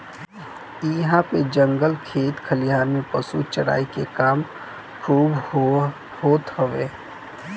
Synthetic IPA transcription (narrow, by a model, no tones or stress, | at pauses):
ɪɦãped͡ʒə̃ŋɡəlkʰeːt̪kʰəlɪjaːɾmẽpəsut͡ʃəɽa̰ːikekaːm | kʰuːb | hoːt̪ɦəʋeː